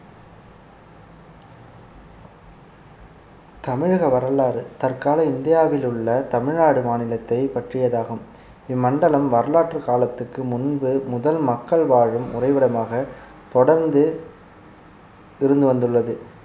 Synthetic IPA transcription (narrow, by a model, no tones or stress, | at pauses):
t̪ɐmɪɻɣɐʋɐɾɐlaːɾɯt̪ɐrkaːlɐɪnd̪ɪjaːʋɪlɯɭːɐt̪ɐmɪɻnaːɽɯmaːnɪlɐt̪ːɐɪpɐʈrɪjɐðaːɣɯm | ɪmːɐɳɖɐlɐmʋɐɾɐlaːʈrɯkaːlɐt̪ːɯkːɯmʊnbɯmʊðɐlmɐkːɐɭʋaːɻɯmʊrɐɪʋɪɽɐmaːɣɐ | t̪ɔɽɐɾnd̪ɯ | ɪɾɯnd̪ɯʋɐnd̪ɯɭːɐðɯ